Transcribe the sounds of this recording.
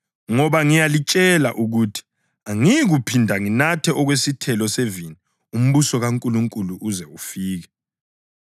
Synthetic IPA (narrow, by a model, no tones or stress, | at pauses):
ŋɔβaŋijalit͡ʃʼɛlaʔuɣutʰi̥ | aŋiɣupʰindʱaŋinatʰɛʔɔɣwesitʰɛlɔsevini | um̩βusɔɣaŋkʼuluŋkʼuluʔuzɛufiːɣɛ